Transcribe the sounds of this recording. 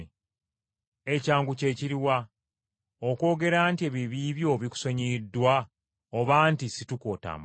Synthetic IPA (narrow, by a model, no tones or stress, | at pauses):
ecaːŋɡuce̞ːciɾiwa | oko̞ːɡe̞ɾaːntieβiβiːβjo̞βiku̥soɲidːwa | oβaːntisituko̞ːta̰ːmb